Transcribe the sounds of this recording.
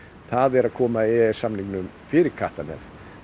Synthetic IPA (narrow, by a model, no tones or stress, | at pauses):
θaðɛɾaðkʰɔːmaɪsamniknʏm | fɪːɾɪɾkʰaht̪anɛ̰ð